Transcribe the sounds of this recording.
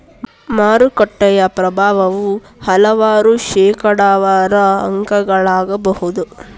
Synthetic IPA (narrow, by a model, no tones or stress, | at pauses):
maːɾukɐʈːɐjɐpɾɐbʱaːʋɐʋu | hɐlɐʋaːɾuʃɛːkɐɽaːʋaːɾɐɐŋkɐɡɐɭaːɡɐbɐhud̪u